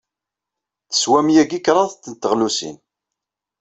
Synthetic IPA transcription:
θə̥swæmjæɡikːɾˤɑθt̪ːənt̪ːəʁlusḭn

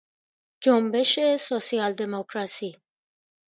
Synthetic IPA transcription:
d͡ʒombe̞ʃesosiɑld̪emokʰɾɑsi

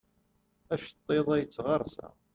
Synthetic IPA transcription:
æʃt̪ˤːeðˤæjət͡sːʁɑɾˤsæ̰

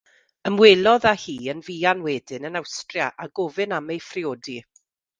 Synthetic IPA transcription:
əmweːlˠɔðahiːənviːanwɛːdɪnənawstrjaʔaɡɔːvɨnamejfrɪoːdi

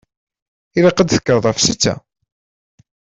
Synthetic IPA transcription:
iɾɑqəd̪θə̥kːəɾˤðˤɑfsit͡sːæ̰

